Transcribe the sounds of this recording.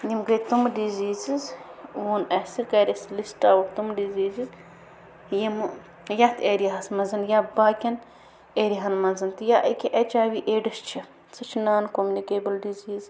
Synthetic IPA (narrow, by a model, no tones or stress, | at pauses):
nimɡɐjt̪umɖiziːzizunɐsiɾkɐːɾʲislisʈawuɾt̪umɖiziːziz | jim | jɐt̪ʰeːɾiɦɐsmɐnzɐnjabaːkʲɐn | eːɾiɦɐnmɐnzɐnt̪ɨjaʔɐkʲiʔɐt͡ʃaːwiʔeːɖɐst͡ʃʰi | sɨt͡ʃʰnaːnkomʲunikeːbɐlɖiziːz